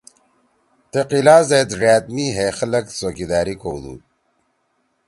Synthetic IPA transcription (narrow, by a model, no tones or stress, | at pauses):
t̪eqilaːzet̪ɾaːt̪miɦexɐlɐksoːkid̪aːɾikowd̪ṵ